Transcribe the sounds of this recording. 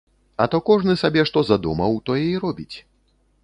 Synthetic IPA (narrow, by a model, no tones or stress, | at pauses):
ɐt̪ɔkɔʐnɨsabʲɛʂt̪ɔzad̪umɐwt̪ɔjɛiɾɔbʲit͡sʲ